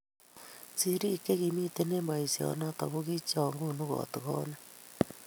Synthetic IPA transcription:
si˦ɾi˦ke˦ɣi˨mi˦te˦ne˦mba˨i˨siɔ̰˨na˦ta˨βoɣi˦t͡ʃaŋɡo˦noɣɔ̰˨te˨ɣɔ˦na

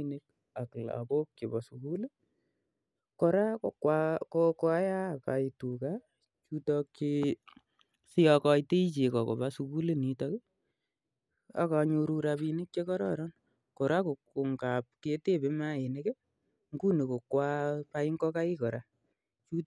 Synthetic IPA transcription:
ne˦k̚ | a˨kla̰˨ko˦kt͡ʃe˨ba˨su˨ku˦le˦ | kɔ˨ɾa˦kwakokwa˦ja˦˨ka˨i˨tu˨ka˦ | t͡ʃu˦tɔ˧kt͡ʃe˦ | si˦ja˧kɔ˧i˦te˦i˦t͡ʃe˨kɔ˨ko̰˨ba˦su˧ku˦le˦ni˨tɔ˦ke˦ | a̰˨ka˧ɲo˧ɾu˧ɾa˧pi˧ne˦k̚t͡ʃe˦kɔ˦ɾɔ˦ɾɔ˦n | kɔ˨ɾa˦ko˨kːo˨ŋka˨p̚ke˦te˦˨pe˦ma˦e˨ne˦ke˦ | ŋɡu˦ne˨ko˨kwa˦pa˧i˦ŋkɔ˦ka˦i˦kɔ˨ɾa˨ | t͡ʃu˦

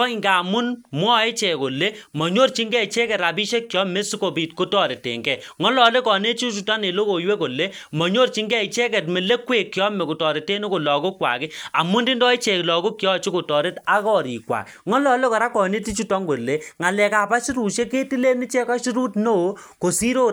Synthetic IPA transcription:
ɔ˦i˦ŋɡa˨mu˦nmwɔ˦e˦t͡ʃɛ˨ko˨le˦mɔ˨ɲo˦rt͡ʃi˦ŋɡɛ˦˨t͡ʃe˦kɛ˨ɾa˨bi˦ʃe˦kːjɔ˦me˦si˦ko˨bi˨tko˦tɔ˨ɾe˨tḛ˨ŋɡɛ˨ŋɔ˦lɔ˨le˦kɔ˨ne˦t͡ʃi˦t͡ʃu˦tɔ˦ne˨lo˦ko˨jwe˦ko˨le˦ | mɔ˨ɲo˦rt͡ʃi˦ŋɡɛ˦i˨t͡ʃɛ˦kɛ˨tme˨le˦kwe˨kːjɔ˦me˨ku˨tɔ˨ɾe˨te˦no˦ko˨lɔ˨ku˦kwa̰˨kɪ˦a˨mu˦ndi˦ndɔ˦i˦t͡ʃɛ˨klɔ˨ku˦kːjɔ˦t͡ʃi˦ko˨tɔ˨ɾe˦ta˦kɔ˦ɾi˨kwa̰˨kŋɔ˦lɔ˨le˦kɔ˨ɾa˦kɔ˨ne˦ti˦t͡ʃu˦tɔ˦ŋɡo˨le˦ŋa˨lɛ˨ka˨pa˦ʃi˦ɾu˨ʃe˦ke˦ti˦le˦ni˦t͡ʃɛ˦ka˦ʃi˦ɾu˦tno˦˨˦ko˨si˦ɾo˦

